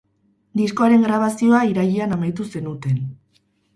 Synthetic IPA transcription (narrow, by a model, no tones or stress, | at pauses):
d̪isko̞aɾe̞ŋɡɾaβ̞asioaiɾaʎianamajt̪use̞nut̪e̞n